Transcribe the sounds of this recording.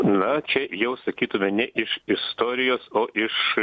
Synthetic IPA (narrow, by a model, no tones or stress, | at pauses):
nɐt͡ʃʲɛjɛʊsɐkʲiːt̪ʊmʲɛnʲɛʔɪʃɪst̪oːɾʲɪjoːsoːʔɪʃ